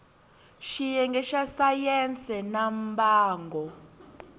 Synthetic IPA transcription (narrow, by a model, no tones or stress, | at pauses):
ʃijɛŋɡʱɛʃasajɛnt͡sʼɛnambaːŋɡʱɔ